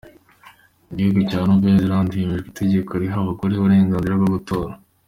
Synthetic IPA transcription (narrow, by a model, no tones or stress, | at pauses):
iɟihuɡucaːnuveziɾaːndiimiʒekitʰe̞ɟe̞kʰoɾiɦaβukuɾiuβuɾe̞ːŋɡaːnziɾabɡoɡuto̞ːɾa